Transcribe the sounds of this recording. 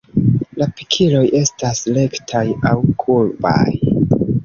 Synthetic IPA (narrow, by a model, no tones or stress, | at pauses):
lapi̥kʰilo̞jʔe̞stasle̞ktʰajawkʰulba̰j